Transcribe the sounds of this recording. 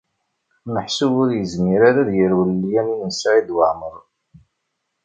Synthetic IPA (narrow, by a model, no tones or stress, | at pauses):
məħsubʊɾjəzmiɾaɾæðjəɾwəlːijæninənsaʕid̪wəʕməɾˤ